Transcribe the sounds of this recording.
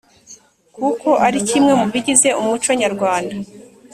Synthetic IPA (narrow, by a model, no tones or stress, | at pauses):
kuko̞ʔaɾicimŋe̞muβiɟize̞umut͡ʃo̞ɲaɾɡwaːnda